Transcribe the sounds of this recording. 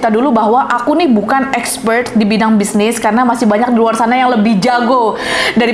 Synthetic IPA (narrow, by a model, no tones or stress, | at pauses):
t̪adulubaɦwaʔakunɪhbukanɛkspərt̪̚dibidaŋbisnɪskaɾənamasɪhbaɲak̚diluarsanajaŋləbɪhd͡ʒaɡodaɾi